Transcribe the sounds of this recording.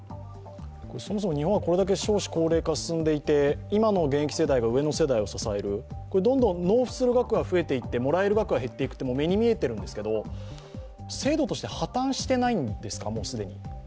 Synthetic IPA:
koso̞mo̞s̬o̞moɲ̟iɦõ̞ako̞ɾe̞d̪ak̬e̞ɕo̞ːɕi̥ko̞ːɾe̞ːkasɨ̥sɨ̃nd̪e̞it̪e̞imano̞ɡẽ̞kʲi̥se̞d̪aiɡaɯ̟e̞no̞se̞d̪aio̞sasae̞ɾɯ̟ko̞ɾe̞d̪õ̞nd̪õ̞nno̞ːɸɯ̟̥sɨɾɯ̟ɡakɯ̟ɡaɸɯ̟e̞t̪e̞it̪ːe̞mo̞ɾae̞ɾɯ̟ɡakɯ̟ɡaɦe̞t̪ːe̞ikɯ̟t̪ːemome̞ɲ̟imʲie̞t̪eɾɯ̟̃nd̪e̞sɨ̥ke̞d̪o̞ | se̞ːd̪o̞t̪o̞ɕi̥t̪e̞hat̪ãɰ̃ɕi̥t̪e̞naĩnd̪e̞sɨ̥kamo̞ːsɨd̪e̞ɲ̟i

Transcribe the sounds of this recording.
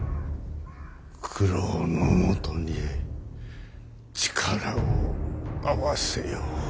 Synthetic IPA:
kʰɯɾonomot̪oɲie | t͡ɕi̥kʰaɾaoawasejo

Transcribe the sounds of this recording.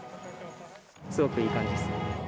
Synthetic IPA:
t͡sɨɡokɯ̟iːkãɲd͡ʑiesɨ̥

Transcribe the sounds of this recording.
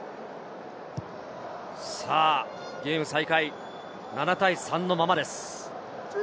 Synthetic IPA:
saː | ɡʲe̞ːmɯ̟saikai | nanat̪aisãnːo̞mamad̪e̞sɨ̥

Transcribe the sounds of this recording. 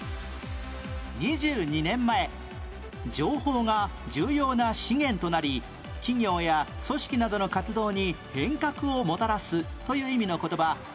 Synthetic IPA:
ɲiʑɨːɲ̟inẽ̞mːae̞ | d͡ʑo̞ːho̞ːŋad͡ʑɨːjo̞ːnaɕiŋẽ̞nt̪o̞naɾʲi | kʲiŋʲo̞ːjaso̞ɕi̥kʲinad̪o̞no̞kat͡sɨd̪o̞ːɲ̟ihẽ̞ŋkakɯ̟omo̞t̪aɾasɨt̪o̞jɯ̟ːimʲino̞ko̞t̪o̞ba

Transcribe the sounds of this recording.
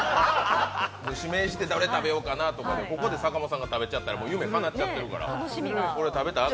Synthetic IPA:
oɕime̞ːɕi̥t̪e̞d̪aɾet̪abe̞jo̞kanat̪o̞kaneko̞ko̞d̪e̞sakamosãŋɡat̪abe̞t͡ɕat̪ːaɾamo̞ːjɯ̟me̞kanat͡ɕat̪ːe̞ɾɯ̟ka̰ɾa̰ko̞ɾe̞t̪abe̞t̪a

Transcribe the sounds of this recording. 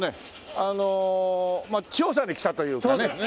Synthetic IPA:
ne̞ | ano | mat͡ɕioːs̬ãɲiki̥t̪at̪o̞jɯ̟ːkane

